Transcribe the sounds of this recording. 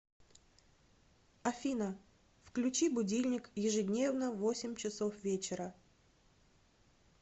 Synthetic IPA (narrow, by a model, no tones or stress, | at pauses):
ɐfʲinə | fklʲʉt͡ɕibʊdʲilʲnʲɪkjɪʐɨdʲnʲe̞vnəvo̞sʲɪmʲt͡ɕɪso̞fvʲet͡ɕɪɾə